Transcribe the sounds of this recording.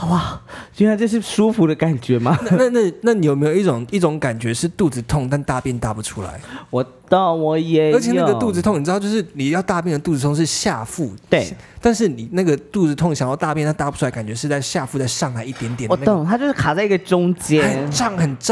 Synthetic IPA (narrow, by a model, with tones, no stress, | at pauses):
wa˥˨˩t͡ɕi˥˩˥a˧˥nʈ͡ʂɤ˥˧ʂ̬ɻ̩˥˩ʂu˥fu˧˥d̪ə˧ka˨˩nt͡ɕɥɛ˨˧˥ma˨na˥na˥˧na˥˩na˥˩ni˨jo˨˩me˧˥jo˨˩ʊi˥˩ʈ͡ʂʊ˨˩˦ŋi˥˩ʈ͡ʂʊ˧˥ŋka˨˩nt͡ɕɥɛ˧˦ʂɻ̩˥˧t̪u˥˩t͡sɹ̩˧t̪ʰʊ˥˧ŋt̪a˥˧nt̪a˥˧pjɛ˥˩nt̪a˧˥˩pu˧˩ʈ͡ʂʰu˥la̰˧˦ɪwɔ˨˩t̪ə˥˩ŋwɔ˨˩jɛ˨˧˦ə˧˥t͡ɕʰjna˧˥ɡət̪u˥˧t͡s̩˧t̪ʰŋn̩˨˩˧t͡ɕjʊʂɻ̩˥˩ni˨˩jɑ˥˧ʊt̪a˥˧pjɛ˥˩nd̪ə˩t̪u˥˩t͡sɹ̩ʰ˧o˥ŋ˧ʂɻ̩˥˩ɕja˥˧fu˥˩t̪we˥˩t̪a˥˧nʂɻ̩˥˩ni˨˩na˥˩ɡə˩t̪u˥˩t͡sɹ̩˧t̪ʰʊ˥˩ŋɕjɑ˨˩ŋjɑ˥˧ʊt̪a˥˧pjna˥˩t̪a˧˥pu˩ʈ͡ʂʰu˥la˧˦ɪka˨˩nt͡ɕɥɛ˧˥ʂɻ̩˥˧t͡sa˥˧ɪɕja˥˧fu˥˧t͡sa˥˧ɪʂɑ˥˧ŋla˧ɪi˥˩t̪jɛ˧˦nt̪̬jnwɔ˨˩n˥ə˥˩ŋt̪ʰa˥t͡ɕjo˥˧ʂɻ̩˥˩kʰa˨˩t͡sa˥˧ɪi˥ɡə˨˩ʈ͡ʂʊ˥ŋt͡ɕjɛ˦ə˩ʈ͡ʂɑ˥˩ŋxə˨˩nʈ͡ʂ